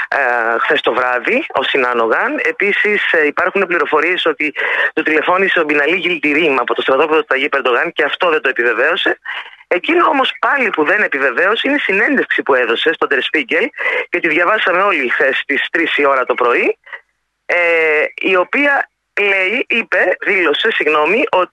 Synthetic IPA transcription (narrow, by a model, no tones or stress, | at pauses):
xθe̞st̪o̞vɾɐðio̞̰sinɐno̞ɣɐne̞pisisipɐɾxune̞pliɾo̞fo̞ɾie̞so̞t̪it̪ot̪ile̞fo̞niseobinɐliʝilt̪iɾimɐːpo̞t̪o̞st̪ɾɐt̪o̞peðot̪ɐʝipeɾd̪o̞ɣɐnceɐft̪o̞ðend̪oepive̞ve̞o̞se̞ecinoo̞mo̞spɐlipuðe̞ne̞pive̞ve̞o̞seinesine̞nd̪e̞fksipue̞ðo̞se̞st̪o̞d̪eɾspiɟe̞lcet̪iðʝɐvɐsɐme̞o̞lixθe̞st̪ist̪ɾisio̞ɾɐt̪o̞pɾo̞i | eio̞piɐ | le̞iipe̞ðilo̞se̞siɣno̞miʔo̞t̪i